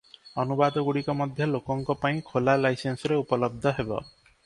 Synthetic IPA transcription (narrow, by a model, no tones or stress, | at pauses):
ɔnubad̪ɔɡuɽikɔmɔd̪ʱjɔlokɔŋkɔpaĩkʰolalajsensɔɾeupɔlɔb̚d̪ʱɔɦebɔ̰